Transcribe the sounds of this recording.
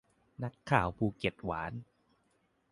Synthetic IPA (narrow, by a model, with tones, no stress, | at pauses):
na˦˥kʰːaː˨˩˦wpʰuː˧ke˨˩t̪̚waː˩˦n